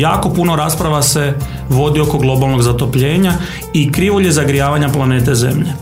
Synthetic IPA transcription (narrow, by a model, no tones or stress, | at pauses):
ja̰ːko̞puno̞ɾaːspɾaʋase̞ | ʋo̞d̪io̞ko̞ɡlˠo̞balˠnoɡzat̪o̞pʎe̞ːɲa | ikɾiːʋoʎjezaɡɾijaːʋaɲaplˠaneːt̪̬ezḛmʎe